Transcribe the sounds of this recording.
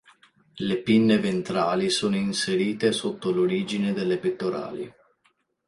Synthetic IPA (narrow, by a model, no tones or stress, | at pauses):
lepinːevent̪ɾaːlisoːnoinseɾiːt̪esot̪ːoloɾiːd͡ʒined̪elːepet̪ːoɾa̰ːli